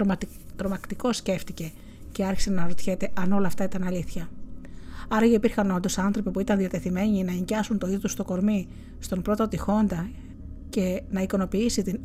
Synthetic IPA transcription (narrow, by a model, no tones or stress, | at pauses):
t̪ɾo̞mɐkt̪iko̞sce̞ft̪ice̞ | ce̞ɐɾçi̥se̞nɐɾot̪çet̪e̞ʔɐno̞lɐːft̪ɐit̪ɐnɐliθçɐ | ɐɾɐʝɐipiɾxɐno̞nd̪o̞sɐnθɾo̞pipuit̪ɐnðiɐt̪e̞θime̞ɲinɐeɲɟɐsunt̪o̞iðot̪ust̪o̞ko̞ɾmi | st̪o̞mpɾo̞t̪o̞t̪ixo̞nd̪ɐ | ce̞nɐiko̞no̞piisit̪in